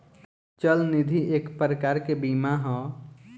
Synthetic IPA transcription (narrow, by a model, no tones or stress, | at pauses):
t͡ʃəlnid̪ʱiʔekpɾəkaɾkebimaɦɔ̃